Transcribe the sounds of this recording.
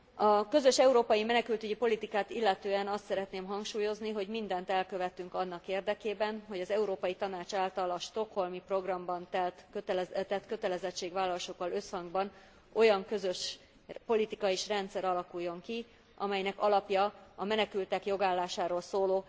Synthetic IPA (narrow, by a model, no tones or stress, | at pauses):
ɒkø̞zø̞ʃɛuɾoːpɒjimɛnɛkylt̪yɟipo̞lit̪ikaːt̪ilːɛt̪øːɛnɒst̪sɛɾɛt̪neːmɦɒŋkʃuːjo̞zniɦo̞ɟmind̪ɛnt̪ɛlkø̞vɛt̪yŋkɒnːɒkeːrd̪ɛkeːbɛnɦo̞ɟɒzɛuɾoːpɒjit̪ɒnaːt͡ʃaːlt̪ɒlɒʃt̪o̞kho̞lmipro̞ɡrɒmbɒnt̪ɛlt̪køt̪lt̪ɛt̪kø̞t̪ɛlɛzɛt͡ʃːeːɡʋaːlːɒlʃokːɒlø̞shɒŋɡbɒn | o̞jɒŋkø̞zø̞ʃ | po̞lit̪ikɒiʃrɛnt̪sɛɾɒlɒkujːo̞ŋki | ɒmɛjnɛkɒlɒpjɒɒmɛnɛkylt̪ɛkjo̞ɡaːlːaːʃaːɾoːlsoːloː